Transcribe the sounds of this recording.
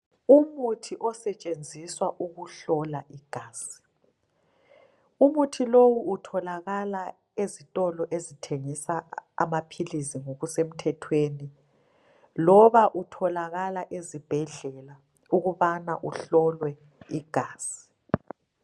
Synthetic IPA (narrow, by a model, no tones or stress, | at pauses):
umutʰiʔɔsɛt͡ʃʼend͡zʱiswaʔuɣuɬɔlaʔiɡ̥ʱaːsi̥ | umutʰilowuːtʰɔlaɣala | ezitʼɔlɔʔezitʰeŋisaa̰mapʰiliziŋoɣusem̩tʰɛtʰweni | lɔβaʔutʰɔlaɣalaʔezib̥ʱɛɮɛla | uɣuβanaʔuɬɔlwɛ | iɡ̥ʱaːsi̥